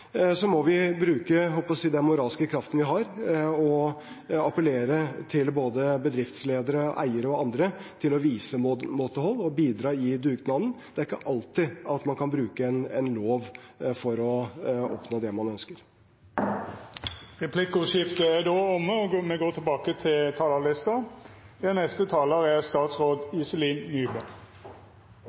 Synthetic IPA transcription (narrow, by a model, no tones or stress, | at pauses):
sɔmɔʋɪbɾʉːkəɦɔlpɔssiːd̪ɛnmʊɾɑːlskəkʰɾɑft̪ənʋɪɦɑɾɔ | ɑpəleːɾət̪ʰɪlboːd̪əbəd̪ɾɪft̪sleːd̪əɾəʔæ̰ɪəɾəɔɑnd̪ɾət̪ʰɪlɔʋiːsəmot̪əhɔlːɔbiːd̪ɾɑːɪd̪ʉːɡd̪nɑmən̩d̪̥ɛæɾɪkːəʔɑlt̪ɪɑt̪mɑnkʰɑnbɾʉːkəɛnɛnloːʋfɔɾɔɔ̰pnoːd̪ɛmɑnœnskəɾ | ʁɛpʰlɪkəʊʂɪft̪əæɖ̪oːɔmːəɔmɛɡoːt̪ʰɪlbɑːkət̪ʰɪlt̪ʰɑːlɑlɪst̪ɑɛnɛst̪ət̪ʰɑːləʁæst̪ɑːt̪sɾoːd̪ɪsəliːnnyːbə